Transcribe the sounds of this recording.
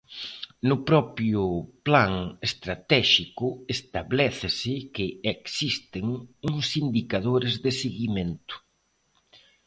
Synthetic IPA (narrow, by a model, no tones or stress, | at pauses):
nʊpɾɔpɾjʊplaŋest̪ɾat̪ɛʃikʊest̪aβlɛθɪsɪkɪeksist̪ɪŋuŋsind̪ikaðoɾɪzðɪseɣimẽnt̪ʊ̥